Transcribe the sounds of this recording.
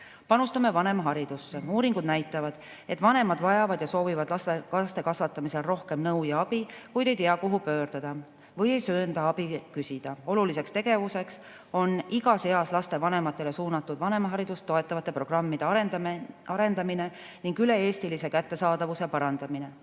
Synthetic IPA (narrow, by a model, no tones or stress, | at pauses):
pɑnust̪ɑme̞vɑne̞mɑɦɑɾid̪̥usːeuːɾiŋɡud̪̥næjt̪ːˑɑvɑd̪̥ | e̞t̪ːˑvɑne̞mɑd̪vɑjɑvɑd̪̥jɑso̞ːvivɑd̪lɑsekɑst̪e̞kɑsvɑt̪ːˑɑmise̞lro̞hke̞mnɤwjɑɑb̥ikujd̪̥e̞jt̪eɑkuɦupø̞ːɾt̪ɑd̪̥ɑ | vɤje̞jsøːnd̪ɑɑb̥ikysid̪̥ɑo̞lulise̞kst̪e̞ɡ̥e̞vuse̞ks | o̞niɡ̥ɑse̞ɑslɑst̪e̞vɑne̞mɑt̪ːˑe̞le̞suːnɑt̪ˑːud̪vɑne̞mɑɦɑɾid̪ust̪ːoe̞t̪ːˑɑvɑt̪ːˑe̞pro̞ɡ̥rɑmːid̪̥e̞ɑɑɾe̞nd̪ɑmine̞ | niŋɡyle̞e̞ːst̪ilise̞kæt̪ːe̞sɑːd̪ɑvuse̞pɑɾɑnd̪̥ɑmine̞